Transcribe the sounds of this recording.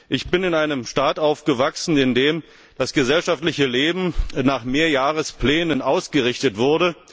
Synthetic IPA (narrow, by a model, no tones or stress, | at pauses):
ʔɪçb̥ɪnɪnaɪnəmʃtaːtʔaʊfɡ̥əvaksn̩ɪndeːm | d̥asɡ̥əzɛlʃaftlɪçəleːbm̩naːχmeːɐjaːʁəspl̥ɛːnənʔaʊsɡ̥əʁɪçtətv̥ʊɐdə